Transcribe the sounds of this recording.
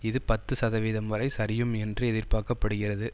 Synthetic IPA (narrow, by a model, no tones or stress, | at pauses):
ɪðɯpɐt̪ːɯsɐðɐʋiːðɐmʋɐɾɐɪsɐɾɪjɯmɛndrɯɛðɪrpaːkɐpːɐɽɯɣɪrɐðɯ